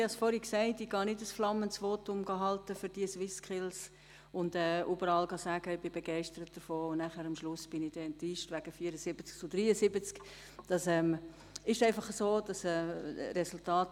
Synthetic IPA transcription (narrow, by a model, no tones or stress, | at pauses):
hɑsfɔɾhiksɛɪtɪɡ̥ɑːnɪdəsflɑmːənt͡sʋoːtʊmɡ̥ɑɦɑltəfʏɾd̥iəswɪskʰχɪls | ʊndɛːʔubəɾɑːlɡɑsæːɡ̥əɪb̥ɪbeɡɛɪʃtəɾət̚d̥əɾfoːʊnnæχæːɾɑmʃlʊsb̥ɪnɪd̥ɛɛntiːʃtʋæɡ̥əfiəɾəsɪb̥ət͡skt͡sʊd̥ɾiːəsɪbət͡sk | d̥ɑsɛːm | ɪʃæɪfɑχəsoːd̥ɑsɛːɾɛsʊltɑːt